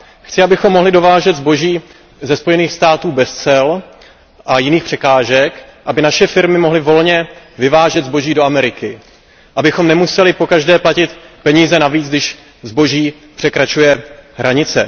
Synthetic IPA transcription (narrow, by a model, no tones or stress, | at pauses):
xt͡sɪabɪxo̞mːo̞ɦlɪdo̞vaːʒɛd̪zbo̞ʒiː | zɛspo̞jɛniːxst̪aːt̪uːbɛst͡sɛl | ʔajɪniːxpr̝̥ɛkaːʒɛkʔabɪnaʃɛfɪɾmɪmo̞ɦlɪvo̞lɲɛvɪvaːʒɛd̪zbo̞ʒiːdo̞ʔamɛɾɪkɪ | ʔabɪxo̞mnɛmusɛlɪpo̞kaʒdɛːplacɪt̪pɛɲiːzɛnaviːt͡sɡdɪʃ | zbo̞ʒiː | pr̥ɛkɾat͡ʃujɛɦɾʔaɲɪt͡sɛ̰